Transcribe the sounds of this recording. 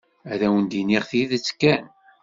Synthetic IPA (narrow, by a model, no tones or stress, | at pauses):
æðæwənd̪iniʁθiðət͡sːkːæn